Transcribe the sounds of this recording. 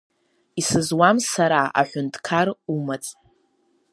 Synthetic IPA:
isɨzwamsaɾaa̰ħʷʊntʰʼkʰarumat͡sʼ

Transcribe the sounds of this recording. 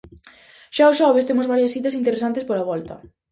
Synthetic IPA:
ʃaosʃɔβest̪emozβaɾjasθit̪ɐsint̪eɾesant̪espoɾaβɔlt̪ɐ̰

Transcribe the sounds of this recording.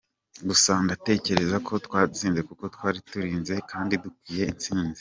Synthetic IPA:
ɡusaːndate̞ːce̞ɾe̞zakʰo̞twaːziːnze̞kuko̞twaːɾituɾiːnze̞kʰaːndidukwiːje̞int͡siːnzi̥

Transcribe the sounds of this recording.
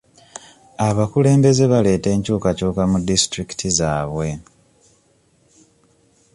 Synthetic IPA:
aβakule̞ːmbe̞ze̞βale̞ːte̞ːɲcuːkacuːkamudisitɾiki̥tʰizaːβwe̞

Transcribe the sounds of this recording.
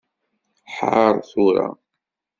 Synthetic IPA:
ħʕəɾˤθuɾa̰

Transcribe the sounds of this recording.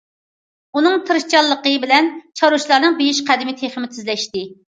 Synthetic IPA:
unɨŋt̪ʰɨɾɨʃt͡ʃɑlˠːəqəbɪlɛnt͡ʃʰɑɾuʃlˠɑɾnɨŋbejiʃqʰæd̪ɪmɪt̪ʰeχmɪt̪ʰɪzlɛʃt̪ɪ

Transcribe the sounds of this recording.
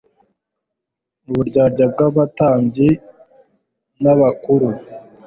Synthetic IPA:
nuβuɾɟaːɾɟab̚ɡaβataːmbɟe | naβakuɾu

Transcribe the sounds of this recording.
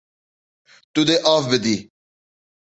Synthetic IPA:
t̪ud̪eʔaːfbed̪iː

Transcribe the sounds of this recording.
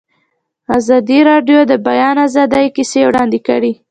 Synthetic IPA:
azɑd̪iɾɑɖjod̪əbajɑnazɑd̪əjkisewɽɑnd̪ekə̰ɽi

